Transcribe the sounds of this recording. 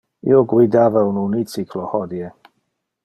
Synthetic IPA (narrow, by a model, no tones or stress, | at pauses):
ḭɔɡwidavɛwnunit͡sikʰlɔhɔdjɛ